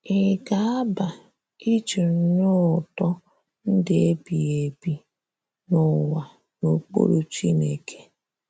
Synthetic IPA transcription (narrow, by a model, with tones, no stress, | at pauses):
e˨ɡa˨a˦ba˨ | i˦t͡ʃe˨n̩˦nʊ˦ʊ˨tɔ˦ | n̩˦dɪ˨e˦bi˨e˨bi˦ | nʊ˦wa˨ | no˨k͡po̰˦ɾo˦t͡ʃi˦ne˨kʰe̥˦